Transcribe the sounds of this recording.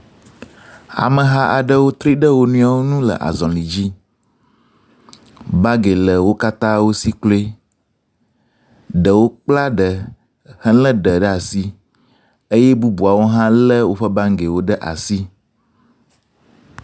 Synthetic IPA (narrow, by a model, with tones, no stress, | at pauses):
a̰˨mə˨ɦa˦ʔa˨ɖə˦wo˦t̪ɾi˦ɖə˦wo˦nũ˦a˦˨wo˦nũ˦lə̰˨ʔa̰˨zɔ̃˨li˨d͡ʑi˦ | ba˦ɡe˨lə˨wo˦ka˦t̪ã˦wo˦si˦klo˦e˦ | ɖə˨wo˦k͡pla˦ɖə˨ | hə̃˦lə̃˦ɖə˨ɖə˦a˨si˦ | ə˦jɛ˦bu˦bu˨a˨wo˦ɦã˦lə˦wo˦ɸə˦ba˦ŋ˦ɡe˨wo˦ɖə˦ʔa̰˨si˦